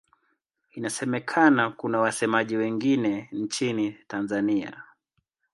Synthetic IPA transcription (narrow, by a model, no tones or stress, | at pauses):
inasɛmɛkʰanakunawasɛmaʄiwɛŋɡinɛnt͡ʃinitanzania̰